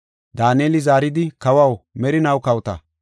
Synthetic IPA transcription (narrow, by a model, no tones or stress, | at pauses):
d̪aːneːlɪzaːɾɪd̪ɪkɐwɐwmɛɾɪnɐwkɐwt̪ɐ̰